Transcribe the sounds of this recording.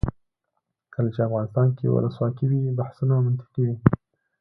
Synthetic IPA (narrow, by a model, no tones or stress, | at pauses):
kʰəlat͡ʃeafɣɑnɪst̪ɑnkewʊ̰lə̰swɑkiwibahsunamʊnt̪ɪ̥qiwi